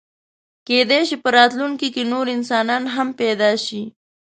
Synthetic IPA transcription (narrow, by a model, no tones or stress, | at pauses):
ked̪eʃipəɾɑt̪luŋkikenoɾɪnsɑnɑnɦampɛd̪ɑʃi